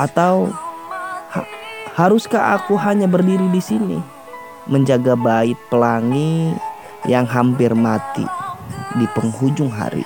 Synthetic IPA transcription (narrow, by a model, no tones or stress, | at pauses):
ʔat̪aw | hahaɾʊskaʔakuɦaɲabərdiɾidisinḭ | məɲd͡ʒaɡabaɪt̪̚pəlaŋi | jaŋɦampɪrmat̪ḭdipəŋɦud͡ʒʊŋɦa̰ɾḭ